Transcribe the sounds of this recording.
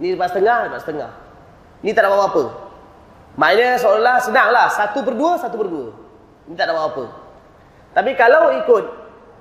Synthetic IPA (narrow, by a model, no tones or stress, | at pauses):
nipaʔsət̪əŋahəbaʔsə̥t̪əŋa̰h | nĩt̪aʔdaʔbawaapə | maaɲəs̬olahsənaŋlahsat̪up̬ərduəsat̪upərduə | nĩt̪aʔdaʔbawaapə̰ | t̪apikalaikʊt̪̚